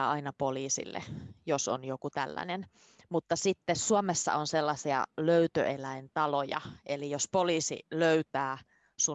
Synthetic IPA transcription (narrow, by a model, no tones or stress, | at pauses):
ɑinɑpoliːsḭlːḛjoso̰njokut̪ælːæ̰nen | mut̪ːɑsit̪ːessuomesːɑ̰onselːɑsiɑ̰løyt̪ø̰ʔelæint̪ɑlojɑ̰ʔelijospoliːsḭløyt̪æː | su